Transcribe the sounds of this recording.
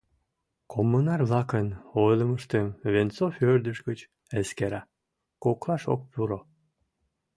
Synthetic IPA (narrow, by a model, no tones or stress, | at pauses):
kʰomːənɑrβlɑkənojləməʃt̪əmβent͡soførd̪əʃɡət͡ɕ | eskeɾɑ | koklɑʃo̰k̚puɾo